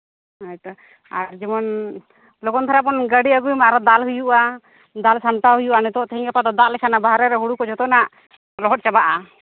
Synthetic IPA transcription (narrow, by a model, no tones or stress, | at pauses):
ajt̪a | aɾd͡ʒimɔn | lɔɡɔnt̪ʰaɾap̬ɔnɡəɽiaɡujmaɾɔd̪alɦujuʔa | d̪alsaɳʈaɦujuʔanit̪ɔʔt̪ɛɦiŋkɛpad̪ɔd̪aʔlɛkʰanabaɦɾɛɾɛɦuɽukɔd͡ʒɔt̪ɔnaʔ | lɔɦɔt̪̚t͡ʃabaʔa